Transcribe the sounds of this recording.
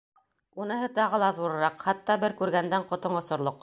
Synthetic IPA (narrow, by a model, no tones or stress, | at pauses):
unɤ̆ɦɤt̪ɑʁɤ̆lˠɑðuɾɤ̆ɾɑqχɑt̪ːɑbɘɾkʉɾɡænd̪æɴqŏt̪oɴŏsŏɾlˠoq